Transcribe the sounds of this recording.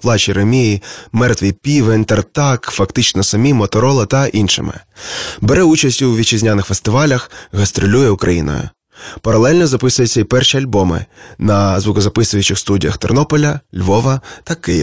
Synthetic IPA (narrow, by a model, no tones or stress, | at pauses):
plˠɑt͡ʃiɾemʲijimɛrt̪ʋʲipʲiʋent̪ert̪ɑkfɐkt̪ɪt͡ʃnɔsɐmʲimɔt̪ɔɾɔlˠɐt̪ɐʔinʃɪ̰mɪ̰beɾɛut͡ʃɐsʲtʲʊwʋʲit͡ʃɪzʲnʲanɪxfest̪ɪʋɑlʲɐxɣɐst̪ɾʊlʲujɛukɾʔɐjḭnɔ̰jʊ̰ | pɐɾɐlˠɛlʲnɔzɐpɪsʊjʊt͡sʲːɐipɛrʃiɐlʲbɔmɪ̰nɐzʋʊkɔzɐpɪsʊjʊt͡ʃɪxst̪udʲḭjɐ̰xt̪ɔrnɔpɔlʲɐlʲʋɔʋɐt̪ɐkɪjḭ